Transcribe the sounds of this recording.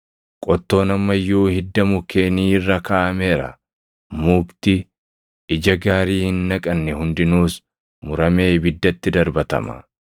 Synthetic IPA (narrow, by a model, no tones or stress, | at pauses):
kʼɔt̪ːo̞ːnɐmːɐjːuːhɪd̪ːɐmʊke̞ːniːɪrːɐkaːʔɐme̞ːɾɐ̰ | muːkt̪ɪ | ɪd͡ʒɐɡaːɾiːhɪnːɐkʼɐnːɛhʊnd̪ɪnuːs | mʊɾɐme̞ːbɪd̪ːɐt̪ːɪd̪ɐɾbɐt̪ɐ̰mɐ̰